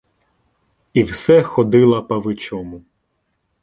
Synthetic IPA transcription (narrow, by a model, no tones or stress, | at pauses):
iwsɛxɔd̪ɪlˠɐpɐʋɪt͡ʃɔmʊ